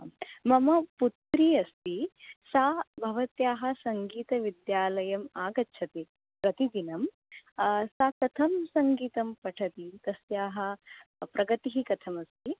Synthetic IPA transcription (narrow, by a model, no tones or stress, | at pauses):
mɐmɐput̪ɾiɐst̪isaːbʱɐʋɐt̪jaːɦɐ̆sɐŋɡiːt̪ɐʋid̪jaːlɐjɐmaːɡɐtːʃʰɐt̪e | pɾɐt̪id̪inɐm | saːkɐt̪ʰɐmsɐŋɡiːt̪ɐmpɐʈʰɐt̪it̪ɐsjaːɦɐ̆pɾʔɐɡɐt̪iɦikɐt̪ʰɐmɐst̪i